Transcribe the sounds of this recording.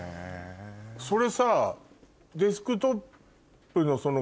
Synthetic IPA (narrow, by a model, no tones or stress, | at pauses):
so̞ɾe̞sa | d̪iskɯ̟t̪o̞pː | ɯ̟no̞so̞no